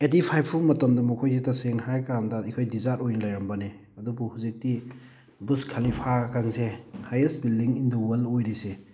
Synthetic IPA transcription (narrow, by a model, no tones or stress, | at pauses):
etipʰajp̚ʰumɐtɐmdɐmukʰojs̬itɐseŋhajkandɐikʰojdizaɾtojnɐlajɾɐmbɐne | ɐdubuhuzik̚ti | buskʰalipʰakaŋsehajesbildiŋindɐwɐlojɾise